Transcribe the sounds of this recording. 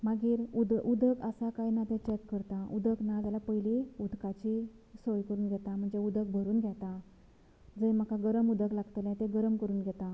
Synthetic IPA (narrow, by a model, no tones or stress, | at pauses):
maɡiːɾud̪ud̪əkəsakajnat̪ɛ̃t͡ɕekːəɾt̪aud̪əknad͡z̪jalapəjliud̪kat͡ɕi | sojkəɾuːnɡʱɛt̪am̤əɳd͡zeud̪ək̚bʱəɾuːnɡʱɛt̪a | d͡zəjm̤akaɡəɾəmud̪əklaɡt̪əlɛ̃t̪eɡəɾəmkəɾuːnɡʱɛt̪a